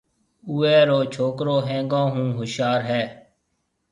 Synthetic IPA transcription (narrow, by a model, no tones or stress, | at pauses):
uːɛːɾoːt͡ʃʰoːkɾoːɦɛ̃ːŋɡõːɦũːɦʊʃjaːɾɦɛː